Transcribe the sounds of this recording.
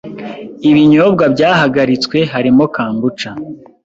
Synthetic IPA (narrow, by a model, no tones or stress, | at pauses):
iβiɲoːb̚ɡabɟaːɦaɡaɾit͡swe̞ɦaɾimo̞kaːmbut͡ʃa